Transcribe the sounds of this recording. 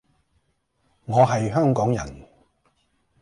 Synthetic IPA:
ŋɔː˨˧ɦɐ˨jɦœː˥ŋkɔː˨˥ŋjɐ˨˩n

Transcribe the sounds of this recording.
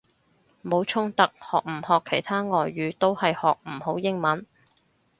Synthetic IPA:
mo˨˧˥wt͡ʃʰʊ˥ŋt̪ɐ˨˥k̚hɔː˨k̚m̩˨˩hɔː˨kʰːe˨˩jt̪ʰaː˥ŋɔː˨˧jːyː˨˧t̪o˥whɐ˨jhɔː˨k̚m̩˨˩ho˨˥wjɪ˥ŋmɐ˨˥n

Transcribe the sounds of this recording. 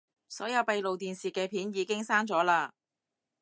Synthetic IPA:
sɔ̰ː˨˥jɐ˨˧wpɐ˧jlo˨wt̪iː˨nsiː˨˩kɛː˧pʰiː˨˥njiː˨˧˥kɪ˥ŋsaː˥ŋt͡sɔː˨˥laː˧

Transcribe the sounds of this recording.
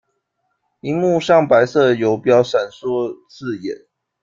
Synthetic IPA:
i˧˥ŋmu˥˧ɕjɑ˥˩ŋpa˧˦ɪsɤ˥˩jo˨˥ʊpjɑ˥˦ʊʂa˨˩nswɔ˥˦t͡sɹ̩˥˨jɛ̰˨˦n

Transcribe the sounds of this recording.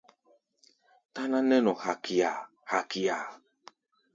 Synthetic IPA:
t̪a˦nã˦nɛ̃˦nɔ˨ha˨ki˨a˨ | ha˨ki˨a˨

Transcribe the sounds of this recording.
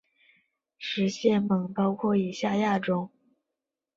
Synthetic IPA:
ʂɻ̩˧˥ɕjɛ˥˩nmɤ˨˩ŋpɑ˥ʊkʰwɔ˥˩i˨˩ɕja˥˧ja˥˩ʈ͡ʂʊ˥ŋ

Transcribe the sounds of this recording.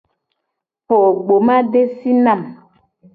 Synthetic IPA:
ho˨ɡ͡bo˨ma˦de˦si˦na˦˨m

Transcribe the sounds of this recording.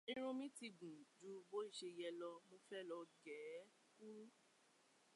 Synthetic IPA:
ĩ˧ɾ̃ũ˧mĩ˦ti˧ɡũ˨d͡ʒu˨˦bo˨˦i˦˨ʃe˧˨jɛ˧lɔ˧mo˧fɛ˦lɔ˧ɡɛː˨˦ | ku˦

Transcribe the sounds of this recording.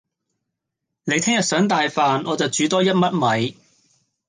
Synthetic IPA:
ne˨˧jt̪ʰɪ˥ŋjɐ˨t̚sœː˨˥ŋt̪aː˨jfaː˨nʔɔː˨˧t͡sɐ˨wt͡ʃyː˨˥t̪ɔː˥jɐ˥t̚mɐ˥t̚mɐ˨j

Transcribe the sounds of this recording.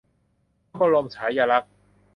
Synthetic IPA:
bɔ˧lo˧mt͡ɕʰaː˩˦jaː˧la˦˥k̚

